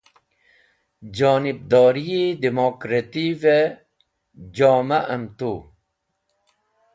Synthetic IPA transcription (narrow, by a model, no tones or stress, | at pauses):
d͡ʑaːnib̚d̪oːɾiid̪imokɾet̪ive | d͡ʑaːmɐʔɐmt̪u